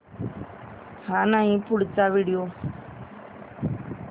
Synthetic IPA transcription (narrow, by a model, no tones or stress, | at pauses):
hanaĩpʊɽɪt͡ʃːaʋiːɽɪjo